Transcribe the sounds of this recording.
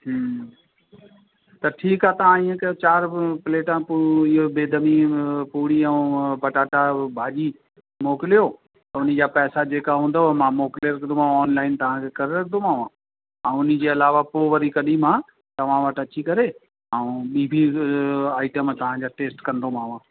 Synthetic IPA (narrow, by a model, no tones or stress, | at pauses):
ɦ | t̪ɐʈʰiːkaːt̪ɐʋ̤ãiːẽkɐjot͡ɕaːɾpɪleːʈãpɪɦobeːd̪ʱəmipuːɽiɛ̃pɐʈaːʈabʱaːʄi | moːkɪlijoː | t̪ɐʊnid͡ʑaːpɛːsad͡ʑeːkaɦũːnd̪aɦmãmoːkɪleɾɐkʰd̪omãːɔːnlaːɪnt̪ɐʋ̤ãkʰekɐɾeɾɐkʰd̪omãːʋã | ãʊnid͡ʑeːɐlaːʋapoːʋəɾikɐɗim̤ãː | t̪ɐʋ̤ãʋɐʈɐt͡ɕikɐɾe | ɐũɓiːbʱi | aːɪʈəmt̪ɐʋ̤ãd͡ʑaːʈeːsʈkɐ̃nd̪omãːʋãː